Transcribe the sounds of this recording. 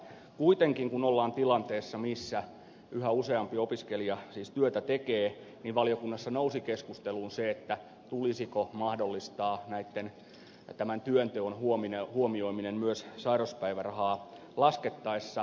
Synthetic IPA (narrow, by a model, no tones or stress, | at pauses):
kuit̪eŋkiŋkunolːɑːnt̪ilɑnt̪eːsːɑmisːæ | yhæuseɑmpiopiskeliɑsiːst̪yøt̪æt̪ekeːniʋʋɑlijokunːɑsːɑnousikeskust̪eluːnseet̪ːæ | t̪ulisikomɑhdolːist̪ɑːnæit̪ːen | t̪æmænt̪yønt̪øonhuominehuomioiminemmyøssɑirɑspæiʋærɑhɑː | lɑsket̪ːɑisːɑ